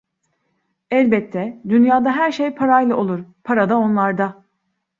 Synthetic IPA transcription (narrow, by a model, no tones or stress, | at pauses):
ɛlʲbɛt̪ʰːɛd̪ynjaːd̪aɦæɾʃejpʰaɾajlˠaʔo̞lˠuɾpʰaɾad̪ao̞nlˠaɾd̪a